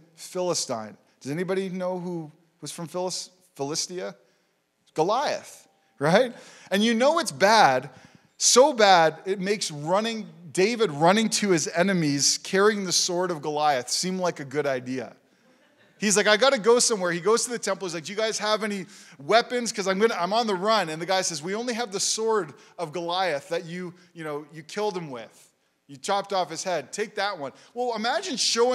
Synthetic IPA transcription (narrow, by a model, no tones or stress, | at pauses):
fɪlˠəstã̰ɪ̃n | d̥ʌzɛnibɑɾinoʊɦu | wʌz̥fɹʌ̃ɱfɪlˠs | fəlɪstiɨ | ɡ̥əlaɪɨ̰θ | ɹaɪt̚ | ɨ̃njɨnoʊɨtsb̥æd | soʊbæɾɪt̚meɪksɹʌnɪ̃ŋdeɪvɨd̚ɹʌñɪ̃ŋtʰɨɨzɛnɨmiz̥kʰɛɹiɪ̃ŋðɨsɔɹɾʌvɡəlaɪɨθsĩmlaɪkɨɡʊɾaɪdiɨ̰ | hizlaɪkaɪɡɑɾɨɡoʊsʌ̃mwɛɹiɡoʊz̥tʰɨðɨtʰɛ̃mpl̩ˠizlaɪkjɨɡaɪz̥əvɛñiwɛpɨ̃nz̥kʰʌzãɪ̃mɡʌnəãɪ̃mə̃nðəɹʌ̃nɨ̃nðɨɡaɪsɛzwiõʊ̃nliɨvðɨsɔɹɾʌvɡəlaɪɨθðɨt͡ʃɨ | jɨnoʊjɨkʰɪlˠd̚ɨ̃mwɪð̥ | jɨtʰɹ̥ɑp̚tɔfɨz̥hɛd̚tʰeɪk̚ðət̚wʌ̃nwɛlˠəmæd͡ʒɨ̃nʃoʊ̃